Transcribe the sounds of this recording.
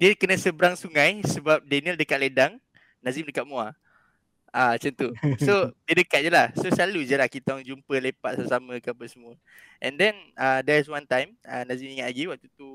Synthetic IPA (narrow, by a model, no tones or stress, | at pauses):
diəkənə̃səbəɾaŋsuŋãjsəbap̚dɛniəldəkat̪̚ledaŋ | nãzimdəkaʔ̪̚mua | at͡ʃənt̪usodiədəkat̪̚d͡ʒəlahsosalud͡ʒəlahkit̪ɔŋd͡ʒumpəlepat̪saasamə̃kəapənsəm | ʔɛ̰̃ndɛ̃nadɛɹs̬wãnt̪ãjmanãzimiŋat̪̚laɡiwak̚t̪ut̪u